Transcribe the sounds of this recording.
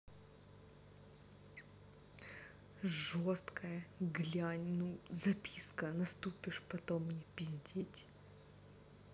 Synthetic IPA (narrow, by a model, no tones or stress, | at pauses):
ʐost̪kʰəjəɡlʲanʲnuzɐpʲiskənɐst̪upʲɪʂpɐt̪omnʲɪpʲɪzʲd̪ʲetʲ